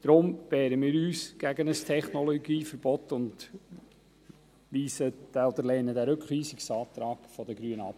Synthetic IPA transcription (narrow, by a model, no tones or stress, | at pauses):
d̥ɾʊmbɛːɾəmɪːɾyːsɡ̥æɡənəstʰɛχnɔlɔɡiːfəɾb̥ɔtːʊnd | ʋiːsəd̥æɔd̪əɾlɛːnədæːɾɵkχlyːsiksɑːt̪ɾɑːɡ̥fɔd̪əɡɾyːənɑ̰p